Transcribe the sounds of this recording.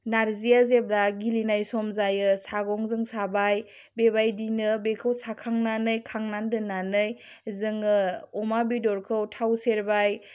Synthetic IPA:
naɾzijazeb̚ɾaɡilinajsɔmzajɯsaɡɔŋzɯŋsabaj | bebajdinɯbekʰɯwsakʰaŋnanɯjkʰaŋnandɯnanɯj | zɯŋɯɔmabidɔɾkʰɯwtʰawseɾbaj

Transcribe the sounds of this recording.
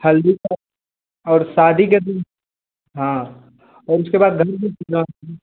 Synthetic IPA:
hɐlːika | ɔːɾsaːd̪ʱiket̪i | ɦãː | ɔːɾʊskebaːd̪̚ɡʱɐɾbipunaɦ

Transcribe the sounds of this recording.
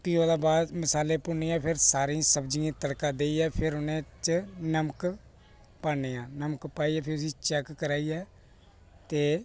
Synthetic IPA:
piːaːlaːbaːd̪mɪsaːlẽːpʊneːãːpʰɪɾsaːɾĩːsəbd͡ʒijãːt̪əɽkaːd̪eːiːɛːpʰɪɾʊnẽːt͡ʃnəmək | paːneːãːnəməkpaːiːɛːpʰɪɾʊsiːt͡ʃɛːkːəɾaːiːɛː | t̪eː

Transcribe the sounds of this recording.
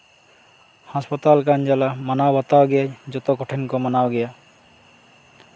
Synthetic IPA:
haspɔt̪alkand͡ʒalamanawbɔt̪awɡɛad͡ʒɔt̪ɔkɔʈʰenkɔmənawɡɛja

